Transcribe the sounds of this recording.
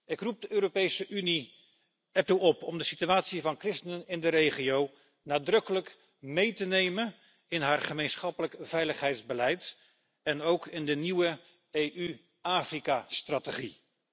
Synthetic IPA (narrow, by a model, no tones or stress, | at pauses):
ɪkrup̚dəʔøːɾopejsəʔyni | ɛp̚tuɔpɔmdəsityaːtsivɑnkrɪstənənɪndəɾejχijow | naːdrɵkələk | mejtənejmən | ɪnɦaːɹχəmejnsχɑpələkv̥ɛjləχɦɛjtzbəlɛjt | ɛnowkʰɪndəniwə | ejʔy | aːfrikastrateχi